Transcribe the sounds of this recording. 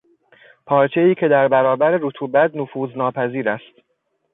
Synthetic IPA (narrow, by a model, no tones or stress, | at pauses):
pʰɒːɾt͡ʃʰe̞iːcʰe̞d̪æɾbæɾɒːbæɾeɾot̪ʰuːbæt̪nofuːznɒːpʰæziːɾæst̪